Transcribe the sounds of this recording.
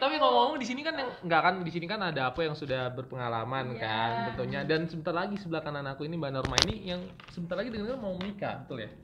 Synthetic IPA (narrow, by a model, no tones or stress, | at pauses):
t̪apiŋamaudisinikanjaŋŋɡakandisinikanadaːpajaŋsudahbərpəŋalamankant̪ənt̪uɲadansəbənt̪arlaɡisəbəlahkananakuinibanɔrmainijaŋ | səbənt̪arlaɡidəŋanaɾamaumənika̰bət̪ʊlja